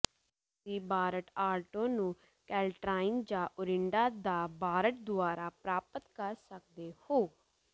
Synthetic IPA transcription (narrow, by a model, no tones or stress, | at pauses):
siːbaːɾəʈaːlʈõːnũː | kɛːlʈɾaːɪnd͡ʒaːʔʊɾɪɳɖaːd̪aːbaːɾəʈ̚d̪ʊaːɾaːpɾaːpət̪kəɾsək̚d̪eːhoː